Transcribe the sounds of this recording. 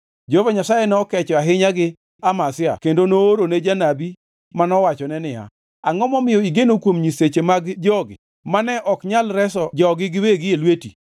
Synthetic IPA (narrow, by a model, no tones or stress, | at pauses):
d͡ʒovaɲasajɛnɛɔkɛt͡ʃɔaɦɪɲaɡɪ | amasɪa̰kendonoːɾoned͡ʒanabi | manɔwat͡ʃɔnɛnɪja̰ | aŋɔmɔmɪjɔiɡenokwomɲiset͡ʃemaɡd͡ʒɔɡɪ̰ | manɛʔɔkɲalɾɛsɔd͡ʒɔɡɪɡɪweɡɪelweti